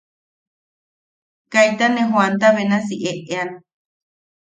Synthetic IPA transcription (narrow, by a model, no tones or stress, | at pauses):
kajt̪anẽɦwant̪aβenas̬iʔeʔean